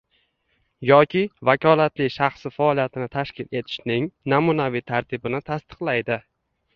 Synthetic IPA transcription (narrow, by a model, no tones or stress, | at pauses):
jɒkʲɪvakʲʰɒlat̪lɪʃaχsɪfaɒlˠijat̪ʰɪnɪt̪ʰaʃkʲɪle̞t̪ʰɪ̥ʃnɪŋnamunavit̪ʰaɾt̪ʰɪbɪnɪt̪ʰast̪ɨ̥qlˠajd̪ɪ